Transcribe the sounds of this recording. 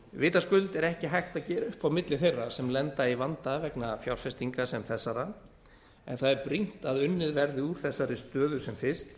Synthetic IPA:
vɪːt̪askʏlt̪ɛɾɛhcɪɦajxt̪aðcɛːɾʏhpawmɪt̪lɪθejrːasɛmlɛnt̪aivant̪avɛknafjawɾ̥fɛst̪iŋkasɛmθɛsːaɾa | ɛ̰nθaðɛɾpɾin̥t̪aðʏnːɪðvɛɾðɪuːt̪θɛsːaɾɪst̪œːðʏsɛmfɪst̪

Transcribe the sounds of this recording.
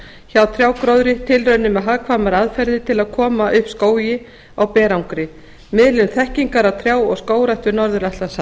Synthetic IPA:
çawt̪ʰɾ̥jaːwkɾowðɾɪt̪ʰɪlrœɥnːʏmɛðɦakʰvaːmaɾaðfɛɾðɪt̪ʰɪlaðkʰɔːmaʔʏhpskoːwjɪ | awpɛːɾawŋkɾɪ | mɪðlɪnθɛhciŋkaɾawt̪ʰɾjaːwɔɣskoːwɾajht̪ʏɾnɔɾðʏɾaht̪asa

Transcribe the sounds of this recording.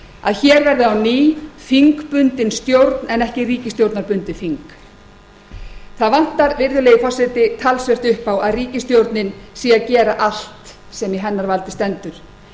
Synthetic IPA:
a̰ðçɛːɾvɛɾðʏawniːfiŋkpʏnt̪ɪnst̪jowɾt̪nɛnɛhcɪriːcɪst̪jowɾt̪naɾpʏnt̪ɪfiŋk | θaðvan̥t̪aɾvɪɾðʏleːjɪfɔsɛt̪ɪt̪ʰalsvɛr̥t̪ʏhpawaðriːcɪst̪jowɾt̪nɪnsiːacɛːɾaʔal̥t̪ | sɛmjɛɦɛnːaɾvalt̪ɪ̥st̪ɛnt̪ʏɾ̥

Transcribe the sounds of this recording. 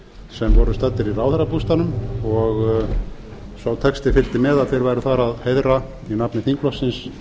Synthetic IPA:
sɛmvɔɾʏst̪at̪ːɪɾiraːwθɛɾapust̪anʏmɔɣ | sawt̪ʰɛkst̪ɪfɪlt̪ɪmɛðaðfejɾvajɾʏθaɾaðhejðɾa | inapnɪθiŋklɔsːɪns

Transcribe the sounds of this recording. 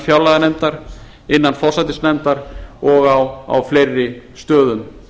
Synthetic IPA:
fjawlaɣanɛjmt̪aɾ̥ | ɪnːanfɔr̥sat̪ɪsnɛmt̪aɾɔɣawa̰wflejrːɪst̪œːðʏm

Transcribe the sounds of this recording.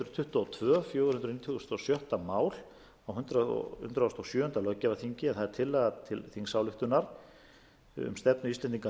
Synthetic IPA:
nt̪ɾʏt̪ʰʏht̪ɔːt̪ʰvœːfjœːɣʏ̥hʏnt̪ɾʏnit̪ʰːɣst̪ɔsjœht̪amaːwl̥ | awɦʏnt̪ɾaɔ̰hʏ̰nt̪ɾaɔst̪ɔsjœːhʏnt̪alœcːavaθiɲcɪɛnθaðɛɾ̥t̪ʰɪlːɛɣðat̪ʰɪlθiŋsaːwlʏht̪ʏnaɾ̥ | ʏ̰mst̪ɛpnʏist̪ɛnt̪iŋka

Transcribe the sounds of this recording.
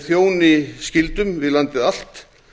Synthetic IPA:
θjoːwnɪscɪlt̪ʏmvɪðlant̪ɪðal̥t̪

